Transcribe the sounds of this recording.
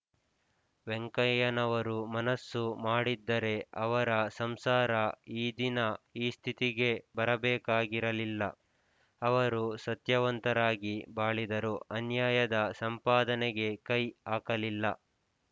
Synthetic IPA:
ʋeŋkɐjɐnɐʋɐɾumɐnɐsːumaːɽid̪ːɐɾe̞ɐʋɐɾɐsɐmsaːɾɐiːd̪inɐiːst̪ʰit̪iɡe̞bɐɾɐbɛːkaːɡiɾɐlilːɐ̰ | ɐʋɐɾusɐt̪jɐʋɐnt̪ɐɾaːɡibaːɭid̪ɐɾuɐnjaːjɐd̪ɐsɐmpaːd̪ɐnɛɡe̞kɐjaːkɐlilːɐ

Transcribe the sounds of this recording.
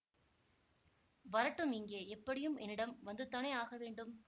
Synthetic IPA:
ʋɐɾɐʈːɯmɪŋɡeːɛpːɐɽɪjɯmɛnːɪɽɐmʋɐnd̪ɯt̪ɐnɐjaːɣɐʋeːɳɖɯm

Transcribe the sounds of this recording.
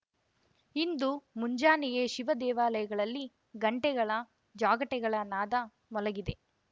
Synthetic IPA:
ind̪umuɲd͡ʒaːnijeʃiʋɐd̪ɛːʋaːlɐjɐɡɐɭɐlːi | ɡɐɳʈɛɡɐɭɐ | d͡ʒaːɡɐʈɛɡɐɭɐnaːd̪ɐ | mɔlɐɡid̪e̞

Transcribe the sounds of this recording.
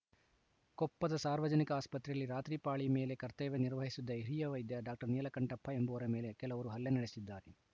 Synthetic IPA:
kɔpːɐd̪ɐsaːɾʋɐd͡ʒɐnikɐaːspɐt̪ɾɛjɐlːiɾaːt̪ɾipaːɭime̞ːle̞kɐɾt̪ɛːʋeniɾʋɐɦisud̪ːɐiɾijɐʋɐjd̪jɐɖaːk̚ʈɐɾnijɐlɐkɐɳʈɐpʰːɐembɐʋɐɾɐmeːle̞kɛlɐʋɐɾuɦɐlːenɐɽesid̪ːaːɾe

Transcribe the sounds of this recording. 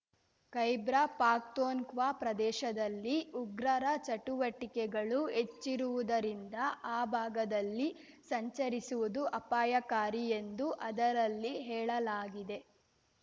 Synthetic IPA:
kɐjbɾɐpaːk̚t̪oːnkʋaːpɾɐd̪ɛːʃɐd̪ɐlːiʔuɡɾɐɾɐt͡ʃɐʈuʋɐʈikɛɡɐɭue̞t͡ʃːiɾuʋud̪ɐɾind̪ɐaːbʱaːɡɐd̪ɐlːi | sɐɲt͡ʃɐɾisuʋud̪uʔɐpaːjɐkaːɾie̞nd̪uʔɐd̪ɐɾɐlːiɦɛːɭɐlaːɡid̪e̞

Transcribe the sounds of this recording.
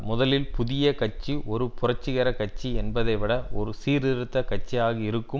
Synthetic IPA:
mʊðɐlɪlpʊðɪjɐkɐt͡ʃːiɔɾɯpʊrɐt͡ʃːɪɣɐɾɐkɐt͡ʃːiɛnbɐðɐɪʋɪɽɐʔɔɾɯsiːɾɪɾɯt̪ːɐkɐt͡ʃːijaːɣɐɪɾɯkːɯ

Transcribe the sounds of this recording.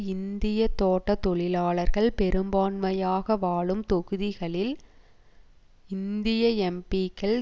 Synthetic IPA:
ɪnd̪ɪjɐt̪oːʈːɐt̪ɔɭɪlaːɭɐɾɣɐɭpɛɾɯmbaːnmɐjaːɣɐʋaːɭɯmt̪ɔɣɯðɪɣɐɭɪl | ɪnd̪ɪjɐɛmpiːkːɐɭ

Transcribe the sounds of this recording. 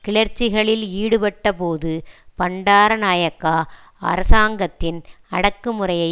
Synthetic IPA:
kɪɭɐɾt͡ʃːɪɣɐɭɪliːɽɯpɐʈːɐpoːðɯpɐɳɖaːɾɐnaːjɐkːaː | ɐ̰ɾɐsaːŋɡɐt̪ːɪn | ɐɽɐkːɯmɯrɐjɐɪ

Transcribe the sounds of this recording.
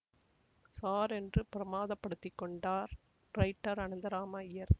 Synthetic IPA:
saːɾɛndrɯpɪɾɐmaːðɐpːɐɽɯt̪ːɪkːɔɳɖaːɾ | ɾɐɪʈːɐɾɐɳɯnd̪ɐɾaːmɐɪjɐɾ

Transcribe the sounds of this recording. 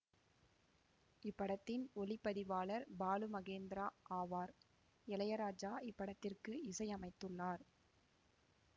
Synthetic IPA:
ɪpːɐɽɐt̪ːɪnɔlɪpːɐðɪʋaːlɐɾbaːlɯmɐɣeːnd̪ɪɾaːʔaːʋaːɾ | ɛlɐjɐɾaːd͡ʒaːɪpːɐɽɐt̪ːɪrkɯɪsɐjɐmɐɪt̪ːɯɭːaːɾ

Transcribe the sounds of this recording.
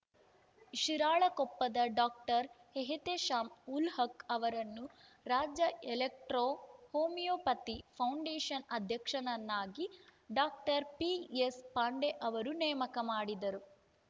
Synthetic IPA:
ʃiɾaːɭɐkɔpːɐd̪ɐɖaːk̚ʈɐɾ | heɦit̪eʃaːmulhɐkɐʋɐɾɐnːu | ɾaːd͡ʒɐelek̚ʈɾoːhoːmijoːpɐt̪ipʰɐwɳɖeːʂɐnɐd̪ʱjɐkʂɐnɐnːaːɡiɖaːk̚ʈɐɾpiespaːɳɖeʔɐʋɐɾunɛːɐmɐkɐmaːɽid̪ɐɾu

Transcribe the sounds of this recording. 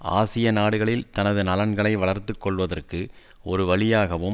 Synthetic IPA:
a̰ːsɪjɐnaːɽɯɣɐɭɪlt̪ɐnɐðɯnɐlɐnɡɐɭɐɪʋɐɭɐɾt̪ɯkːɔɭʋɐðɐrkɯ | ɔɾɯʋɐɭɪjaːɣɐʋɯm

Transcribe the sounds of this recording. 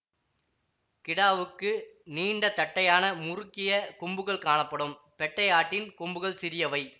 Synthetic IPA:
kɪɽaːʋɯkːɯniːɳɖɐt̪ːɐʈːɐjaːnɐmʊɾɯkːɪjɐkʊmbɯɣɐɭkaːɳɐpːɐɽɯm | pɛʈːɐjaːʈːɪnkʊmbɯɣɐɭsɪɾɪjɐʋɐɪ

